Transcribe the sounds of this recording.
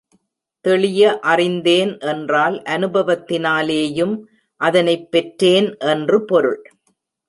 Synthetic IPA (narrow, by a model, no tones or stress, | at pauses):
t̪ɛɭɪjɐʔɐrɪnd̪eːnʔɛndraːlʔɐnɯbɐʋɐt̪ːɪnaːleːjɯm | ʔɐðɐnɐɪpːɛʈreːnʔɛndrɯpɔɾɯ̰ɭ